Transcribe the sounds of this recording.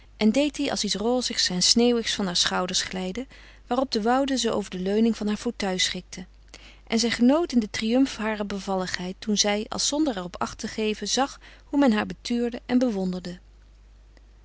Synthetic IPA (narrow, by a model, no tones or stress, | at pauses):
ʔɛndejtdiʔɑ̰lˠsitsroːzəχsɛnsneːwɪχsfɑnɦaːɹsχɑwdəɹsχlɛjdə | ʋaːrɔb̚dəʋɑwdəzəʔo̰wvəɹdəløɥnɪŋvɑnɦaːɹvowtœɥsχɪk̚tʰə | ʔɛnzɛjχənowtɪndətrijɵmfɦaːrəbəvɑləχɦɛjtːunzɛjɑ̰lˠsɔndəɹɛrɔpɑ̰χtəχejvəzɑχ | ɦumɛnɦaːɹbətyːɹdəʔɛnbəʋɔndəɹdə